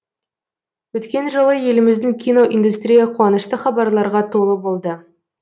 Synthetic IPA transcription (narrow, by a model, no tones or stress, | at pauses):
wɵt̪kʲe̞nʒəlˠəje̞lɪmɪzd̪ɪŋkʲʰino̞ʔind̪ust̪rʲijɑqʰuwɑnəʃt̪əχɑbɑɾlˠɑɾʁɑt̪ʰo̞lˠəbo̞lˠd̪ə